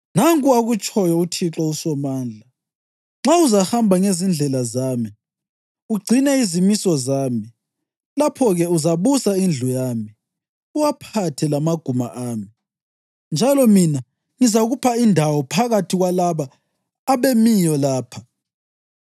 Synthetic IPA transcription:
naŋk̬ʼuwaɣut͡ʃʼɔjɔutʰiǁɔusɔmaːnd͡ɮʱa | ŋ͡ǁauzahambʱaŋezind͡ɮʱɛlazaːmi | uɡ͡ǀʱinɛizimisɔzaːmi | lapʰɔɣɛuzaβusaind͡ɮʱujaːmi | uwapʰatʰɛlamaɡ̥ʱumaʔaːmi | nd͡ʒʱalɔmina | ŋizaɣupʰaindʱawɔpʰaɣatʰiɣwalaβaː | βemijɔlaːpʰḁ

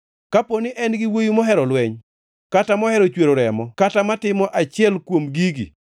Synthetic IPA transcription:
kaponɪʔɛnɡɪwojumɔɦɛɾɔlwɛɲ | katamɔhɛɾɔt͡ʃweɾoɾɛmɔkatamatɪmɔʔat͡ʃɪɛlkwomɡiɡḭ

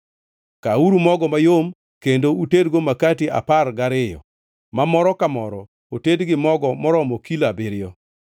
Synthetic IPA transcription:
kauɾumɔɡɔmajom | kendoutedɡomakatiʔa̰parɡaɾɪjɔ̰ | mamɔɾɔkamɔɾɔ | otedɡɪmɔɡɔmɔɾɔmɔkilabɪɾɪɔ

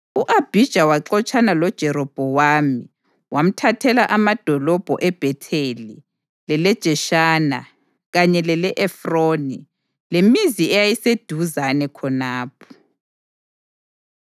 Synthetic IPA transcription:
uʔab̥ʱid̥ʒ̥ʱawaǁɔt͡ʃʼanalɔd̥ʒ̥ʱɛɾɔb̥ʱɔwaːmi | wam̩tʰatʰɛlaʔamad̥ʱɔlɔb̥ʱɔʔɛb̥ʱɛtʰeli | lɛlɛd̥ʒ̥ʱɛʃaːna̰ | ɣaɲɛlɛlɛʔɛfroːni | lemiziɛjajised̥ʱuzanɛkʰɔnaːpʰɔ̥

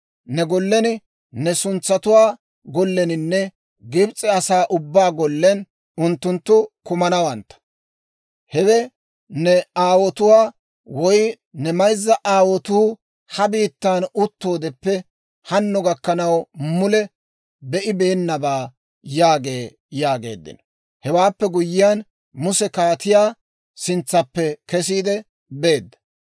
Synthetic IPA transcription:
nɛɡɔlːɛnɪ | nɛsʊnt͡sːɐt̪ʊwaː | ɡɔlːɛnɪnːɛ | ɡɪbt͡sʼːɛɐsaːʔʊbːaːɡɔlːɛn | ʊnt̪ːʊnt̪ːʊkʊmɐnɐwɐnt̪ːɐ̥ | hɛwɛ | nɛaːwɔt̪ʊwaː | wɔj | nɛmɐjzːɐʔaːwɔt̪uː | hɐbiːt̪ːaːnʊt̪ːo̞ːd̪ɛpːɛ | hɐnːɔɡɐkːɐnɐwmʊlɛ | bɛʔɪbe̞ːnːɐbaː | jaːɡe̞ː | jaːɡe̞̰ːd̪ːɪ̰n | hɛwaːpːɛɡʊjːɪjaːn | mʊsɛkaːt̪ɪjaː | sɪnt͡sːɐpːɛkɛs̬iːd̪ɛ | be̞ːd̪ːɐ̥

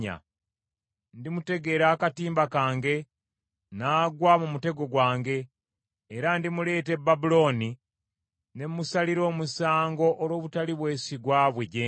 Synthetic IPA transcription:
a̰ | ndimute̞ɡe̞ɾaːkatiːmbakaːŋɡe̞ | naːɡwamumute̞ɡo̞ɡwaːŋɡe̞ː | ɾandimule̞ːte̞bːabulo̞ːni | ne̞musaliɾo̞ːmusaːŋɡo̞ʔːlwo̞ːβutaliβwe̞ːsiɡwaːβweɟe

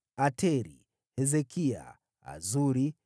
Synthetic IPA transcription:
atʰɛɾḭ | hɛzɛkʰia̰ | a̰zuɾi

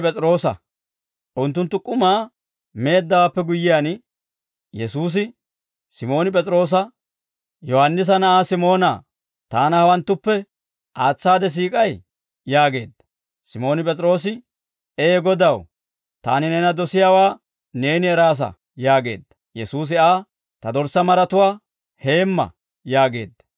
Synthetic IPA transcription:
pʼɛt͡sʼɪɾo̞ːsɐ̰ | ʔʊnt̪ːʊnt̪ːʊkʼʊmaː | me̞ːd̪ːɐwaːpːɛɡʊjːɪjan | jɛsuːs̬ɪ | sɪmo̞ːnɪpʼɛt͡sʼɪɾo̞ːs̬ɐ | jɔhɐnːɪs̬ɐnɐʔaːsɪmo̞ːna | t̪aːnɐhɐwɐnt̪ːʊpːɛ | ʔaːt͡sːaːd̪ɛs̬iːkʼɐj | jaːɡe̞ːd̪ːɐ̥ | sɪmo̞ːnɪpʼɛt͡sʼɾo̞ːs̬ɪ | eɡɔd̪ɐw | t̪aːnɪnɛnɐd̪ɔsɪjaːwaː | ne̞ːnɪɛɾaːs̬ɐ̰ | jaːɡe̞̰ːd̪ːɐ̥jɛsuːs̬ɪaː | t̪ɐd̪ɔɾsɐmɐɾɐt̪ʊwaː | he̞ːmːɐ̰ | jaːɡe̞ːd̪ːɐ̥

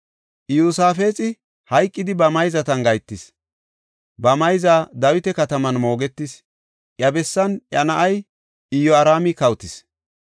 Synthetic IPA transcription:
ʔjuːsaːfe̞ːt͡sʼɪ | hɐjkʼːɪd̪ɪbɐmɐjzɐt̪ɐnɡɐjt̪ːɪs | bɐmɐjzaːd̪ɐwɪt̪ɛkɐt̪ɐmɐnmo̞ːɡɛt̪ːɪs | ʔjɐbɛsːɐnʔjɐnɐʔɐj | ɪjɔɐɾaːmɪkɐwt̪ɪs

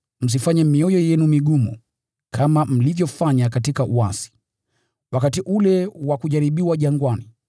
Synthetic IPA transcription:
m̩s̬ifaɲɛmiɔjɔjɛnumiɠumṵ | kʰamam̩livjɔfaɲakatikaʔuasi̥ | wakatiʔulɛwakuʄaɾiɓiwaʄaŋɡwani

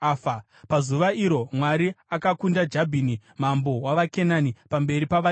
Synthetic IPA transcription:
fa | pazuʋaiɾo̞mwaɾiakakundad͡ʒabʱinimambo̞waʋake̞nanipambe̞ɾipaʋa

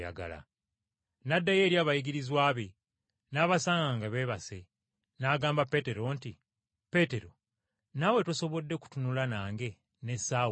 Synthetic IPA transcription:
ja̰ɡa̰la̰ | nadːaje̞ːɾjaːβajiɡiɾizwaːβe | naːβasaːŋɡaːŋɡaβe̞ːβase̞ | naːɡaːmbapːe̞te̞ɾo̞ːnti | pe̞te̞ɾo | naːwe̞tuso̞βo̞dːe̞ku̥tunulanaːŋɡe̞ | ne̞saːw

